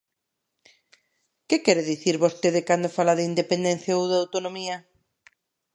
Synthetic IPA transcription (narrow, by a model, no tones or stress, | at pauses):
kɪkɛɾeðiθiɾβost̪eðɪkand̪ofalaðeind̪epend̪ɛnθjaowðawt̪onomiɐ